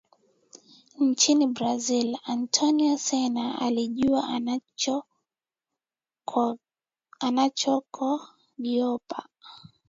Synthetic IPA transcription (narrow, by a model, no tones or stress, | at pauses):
nt͡ʃinibɾazilantʰɔniasɛnaa̰liʄuwa | anat͡ʃɔkʰɔ | ɡiɔpa